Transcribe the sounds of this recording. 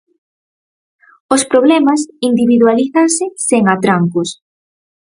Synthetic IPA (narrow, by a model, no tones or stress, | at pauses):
ospɾoβlɛmɐsind̪iβiðualiθaŋsɪseŋat̪ɾaŋkʊs